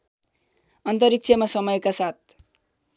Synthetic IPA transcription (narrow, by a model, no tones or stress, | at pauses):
ʌnt̪ʌɾik̚t͡sʰʌmasʌmʌjkasat̪̚ʰ